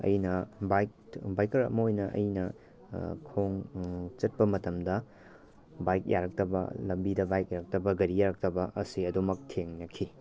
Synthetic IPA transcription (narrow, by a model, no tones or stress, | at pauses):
ɐ̰jnɐbajkbajkɐɾɐ̰mɐojnɐʔɐ̰jnɐ | kʰoŋt͡ʃɐt̚pɐmɐtɐmdɐ | bajk̚jaɾɐk̚tɐbɐ̰lɐmbidɐbajk̚jaɾɐk̚tɐbɐɡɐɾijaɾɐk̚tɐbɐʔɐsiɐdumɐk̚tʰeŋnɐkʰi